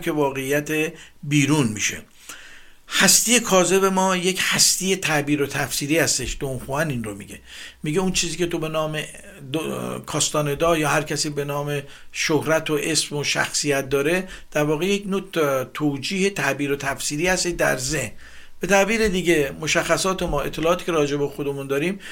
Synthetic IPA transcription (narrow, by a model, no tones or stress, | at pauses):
kʰʲe̞vɒːɣe̞jːæt̪ʰebiːɾunmḭʃḛ | hæst̪ije̞kʰɒːze̞be̞mɒːje̞chæst̪iːje̞t̪ʰæʔbiːɾot̪ʰæfsiːɾiːhæst̪e̞ʃd̪̥omxuæninromḭɡe̞̰miɟeunt͡ʃʰiːziːcʲe̞t̪ʰo̞be̞nɒːme | d̪kʰɒːst̪ɒːne̞d̪ɒːjɒːhæɾcʰæsiːbe̞nɒːme̞ | ʃohɾæt̪ʰoʔe̞smoʃæ̰xsijæt̪̚d̪ɒːɾe̞d̪̥æɾvɒːɣejecnoːt̪ʰoːd͡ʒiːhe̞t̪ʰæʔbiːɾot̪ʰæfsiːɾiːhæst̪eʃd̪æ̰ɾzehn | b̥e̞t̪ʰæbiːɾe̞d̪iːɟe̞mo̞ʃæxːæsɒːt̪ʰe̞mɒːe̞̰t̪ʰːe̞lɒːt̪iːcʰʲeɾɒːd͡ʒe̞bexo̞d̪emund̪ɒːɾiːm